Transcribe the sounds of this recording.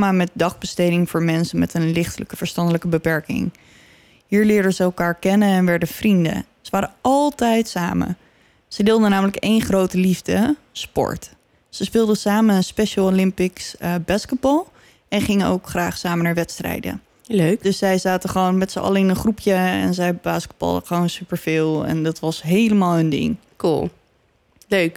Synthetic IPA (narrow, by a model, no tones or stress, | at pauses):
maːmɛt̚dɑχbəstejdɪŋvʊːɹmɛnsənmɛtənlɪχtələkəv̥əɹstɑndələkəbəpɛɹkɪ̰ŋ | ɦiːɹlɪːɹdənzəɛlˠkaːɹkɛnəɛnʋɛɹdəv̥rində̰ | səʋaːɾəɑlˠtɛjtsa̰ːmə̰ | sədɪːlˠdənaːmələkejnχrowtəlivdə | spɔ̰ɹt | səspɪːlˠdəsaːməənspeʃalˠolɪmpɪksəbaːskət̚bɑlˠ | ɛnχɪŋəno̰wkχraːχsaːmənaːɹʋɛtstrɛ̰jdə̰ | løkdøssɛjzaːtəχəʋownmɛtsəɑ̰ləɪnənχrupʰjəɛ̰nzɛjbaːskəd̚bɑ̰lˠdəχəʋownsypəɹv̥ɪːlˠɛ̰ndɑtʋɑsɦejləmaːlˠəndɪ̰ŋ | kṵlˠ | løk